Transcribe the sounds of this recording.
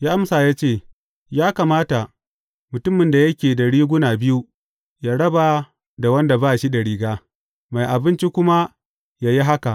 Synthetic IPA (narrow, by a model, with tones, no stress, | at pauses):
jaː˦ʔa˦msaː˨jaː˦t͡ʃeː˦˨ | jaː˦ka˨maː˦ta˨ | mʊ˨tʊ˦mɪ˨nda˨jɐ˦kʲeː˨dɐ˨ɽiː˦ɡʷʊ˦naː˨bɪ˦ju˦ | jaː˦ɽɐ˦ba˨ | da˨wɐ˦nda˨baː˦˨ʃi˦da˨ɽiː˦ɡaː˦ | ma˨jʔa˨bɪ˦nt͡ʃi˦kʷʊ˦ma˦ | ja˨ji˦ɦa˦ka˨ʔ